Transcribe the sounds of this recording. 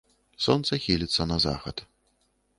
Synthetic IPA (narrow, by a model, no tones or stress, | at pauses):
sɔnt̪sɐxʲilʲit̪sːɐnɐza̰xɐ̰t̪